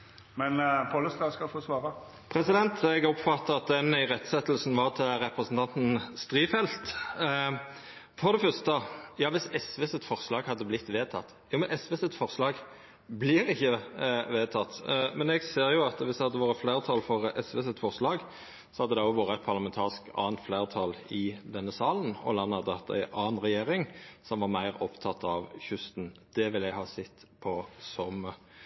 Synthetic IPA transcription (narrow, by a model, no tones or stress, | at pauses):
mɛnpʰɑləst̪ɑːskɑlfoːsʋɑːɾɑ | pʰɾɛsɪd̪ɛnt̪ʰɛɡɔpfɑt̪ːəʁɑt̪̚d̪ɛnæɪʁɛt̪ːsɛt̪ːlsn̩ʋɑʁt̪ʰɪlɾɛpɾəsn̩t̪ʰɑnt̪n̩st̪ʁiːfɛlt̪ | fɔʁd̪ɛfœʁst̪əjɑːʋɪsɛsʋeːsət̪fɔʁslɑːɡhɑd̪ːəblɪt̪ːʋeːt̪ʰɑ̰t̪ː | juːmɛnʔɛsʋeːsət̪fɔʁslɑːɡ | blɪɾɪçːəʋeːt̪ʰɑt̪ːmɛnɛɡseːɾʁjʊɑt̪ʋɪshɑd̪ːəʋɑːɾəflæɪʁt̪ʰɑlfɔɾʔɛsʋeːsɛt̪fɔʁslɑːɡ | sɔhɑd̪ːəd̪ɛɔʋoːɾəæt̪̚pʰɑʁlɑmɛnt̪ʰɑːʁɪskɑ̰ːnt̪flæːʁt̪ʰɑlɪd̪ɛnːəsɑːlənɔ̰lɑnːɑd̪ːəɑt̪ːæ̰ɪʔɑːnʁɛjeːɾɪŋsɔmʋɑʁmæɪʁɔpt̪ʰɑt̪ɑʋçʉst̪n̩d̪̥ɛʋɪlɛɡhɑːsɛt̪ːpʰɔsɔm